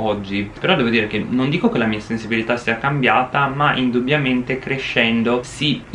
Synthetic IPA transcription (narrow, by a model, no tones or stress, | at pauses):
ɔd͡ʒːipeɾɔd̪ɛːvod̪iːɾekenːond̪iːkokelamiːasensibilit̪asːiːakambjaːt̪amaʔind̪ubjament̪ekɾeʃːɛnd̪osi